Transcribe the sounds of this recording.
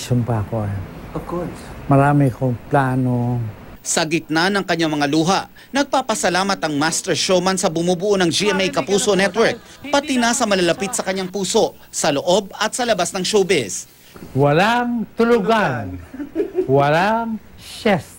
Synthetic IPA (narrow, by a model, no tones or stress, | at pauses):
ʃʊmpaɐkoajɐkmɐɾaːmɪkoŋplaːno | sɐɡɪt̪̚nanɐŋkɐɲːaŋmɐŋaluːɦaʔ | nɐɡ̚papɐsɐlaːmɐt̪ɐŋmast̪ɛɹʃomɐnsɐbʊmubuʔonɐŋd͡ʒiʔɛmejkɐpuːso̞nɛt̪wɛɹk̚ | pɐt̪inasɐmɐlɐlɐpit̪̚sɐkɐɲːaŋpuːso̞ʔ | sɐloʔo̞b̚ɐt̪sɐlɐbasnɐŋʃoːbɛs | wɐlaŋt̪ʊlʊɡan | wɐlaŋʃɛst̪